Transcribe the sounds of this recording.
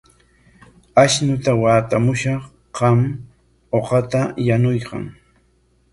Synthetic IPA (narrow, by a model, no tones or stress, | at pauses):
aʃnʊt̪awaːt̪amʊʃɑχ | ɢɑm | oqɑt̪ajanʊjqɑ̰ŋ